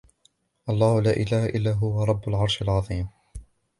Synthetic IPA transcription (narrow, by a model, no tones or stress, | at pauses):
ʔɑlˤːɑːhʊlaːʔɪlaːhaʔɪlːaːɦʊwaɾˤɑbːʊlʕɑɾˤʃalʕɑðˤiːm